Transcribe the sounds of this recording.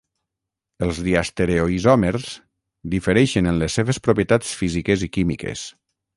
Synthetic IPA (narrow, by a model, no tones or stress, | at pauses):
əlˠzðiast̪eɾeoizɔmeɾz | d̪ifəɾɛjʃenənlesːeβespɾopjet̪at͡sfizikezikimḭkḛs